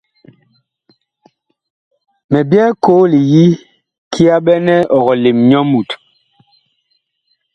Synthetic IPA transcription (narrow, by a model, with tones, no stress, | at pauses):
mɛ˨bjɛ˦ko˨˦li˨ji˦ | kʰi˦a˦ɓɛ˦nɛ˦ɔ˨ɣɔ˨le˨mɲɔ˦mu˨t